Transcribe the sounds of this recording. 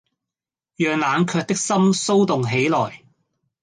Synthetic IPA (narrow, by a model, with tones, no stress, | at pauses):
jœː˨ŋlaː˨˧nkʰœː˧k̚t̪ɪ˥k̚sɐ˥mso˥wt̪ʊ˨ŋɦe˨˥jlɔː˨˩j